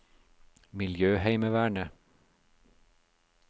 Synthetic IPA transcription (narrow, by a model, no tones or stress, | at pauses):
mɪljøːhæɪməʋæːɳə